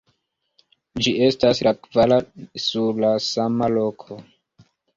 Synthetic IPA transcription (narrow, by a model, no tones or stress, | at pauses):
d͡ʒie̞staslakvalasuɾlasamalo̞kʰo̞